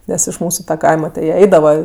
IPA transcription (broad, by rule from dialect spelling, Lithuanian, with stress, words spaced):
ˈnʲɛs ɪʃ ˈmuːsʊ tɐ ˈkɐɪmɐ tʲɪ jiɛ ˈɐɪdɐʋɐ